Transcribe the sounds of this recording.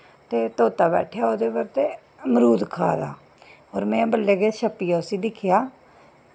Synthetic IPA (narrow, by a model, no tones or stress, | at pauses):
t̪eːt̪oːt̪aːbɛ̰ːʈʰjaːoːd̪eːbəɾt̪eː | məɾuːd̪kʰa̰ːd̪a̰ː | oːɾmɛ̃ːbəlːeːɡeːʃəpːiːjaːʊsiːd̪ɪkʰɪjaː